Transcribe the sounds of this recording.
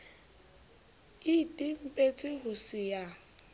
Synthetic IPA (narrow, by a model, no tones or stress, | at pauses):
ɪtʼɪm̩pʼet͡sʼɪɦʊsɪja